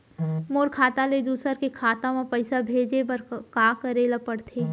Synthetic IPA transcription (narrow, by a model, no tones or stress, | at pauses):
moːɾkʰaːt̪aled̪uːsəɾkekʰaːt̪ãmãpɐɪsabʱeːd͡ʒepəɾkaːkəɾelɐpəɽt̪ʰeː